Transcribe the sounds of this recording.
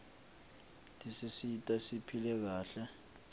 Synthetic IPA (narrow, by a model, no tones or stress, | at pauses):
tʼisisitʼasipʰilɛk̬aːɬɛ